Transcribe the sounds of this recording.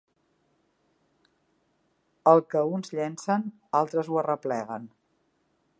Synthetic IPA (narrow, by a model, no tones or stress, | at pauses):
əlˠkəunzʎɛnsən | alˠt̪ɾəzuərəplɛɣən